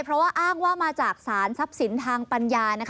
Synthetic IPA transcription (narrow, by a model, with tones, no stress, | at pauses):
pʰɾɔ˦˥waː˥˩ʔaː˥˩ŋwaː˥˩maː˧t͡ɕaː˨˩k̚saː˩˦nsa˦˥p̚si˩˦nt̪ʰaː˧ŋpa˧njaː˧na˦˥kʰ